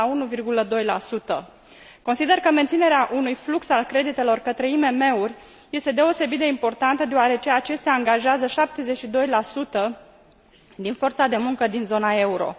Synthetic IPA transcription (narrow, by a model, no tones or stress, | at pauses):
aunuvirɡuləd̪o̞jlasut̪ə | ko̞nsid̪e̞rkəme̞nt̪sine̞ɾeaʔunujfluksalkɾe̞d̪it̪e̞lo̞rkət̪ɾe̞ime̞me̞urʲ | je̞st̪e̞d̪e̞o̞se̞bit̪d̪e̞impo̞rt̪ant̪əd̪eoaɾe̞t͡ʃe̞at͡ʃe̞st̪eaːŋɡaʒeazəʃap̚t̪e̞ze̞t͡ʃid̪o̞jlasut̪ə | d̪info̞rt̪sad̪e̞muŋkəd̪inzo̞nae̞uɾo̞̰